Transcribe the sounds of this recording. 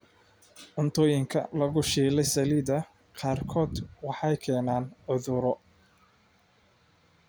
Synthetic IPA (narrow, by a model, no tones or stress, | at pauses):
ʕʊnt̪ʰɔːjɪŋkʰɐ̰lɐɣʊʃiːlɛjsɐliðɐ | qɑːrkʰɔːd̪wɑħɑjkʰɛːnaːnʕʊðʊɾɔ